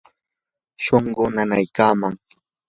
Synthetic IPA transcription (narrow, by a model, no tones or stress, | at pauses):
ʃoɴɢonanajkaːmaŋ